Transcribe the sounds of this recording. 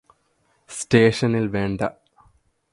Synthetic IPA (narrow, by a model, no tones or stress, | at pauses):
sʈeːʂɐnilʋeɳɖɐ